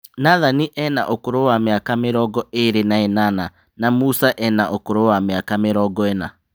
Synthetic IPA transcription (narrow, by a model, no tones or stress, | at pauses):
naðaniʔɛna̰ʔokoɾowameakameɾɔɡɔeɾenaenana | namusaʔɛnaʔokoɾowameakameɾɔɡɔena